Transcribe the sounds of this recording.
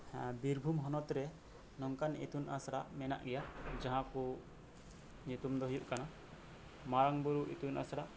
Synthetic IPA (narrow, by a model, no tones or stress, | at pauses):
biɾbʱumɦɔnɔt̪ɾɛ | nɔŋkanḛt̪unasɽaʔmɛna̰ʔɡɛjad͡ʒaɦãku | ɲut̪umd̪ɔɦɔjuʔkana | maɾaŋbuɾuʔet̪unasaɽaʔ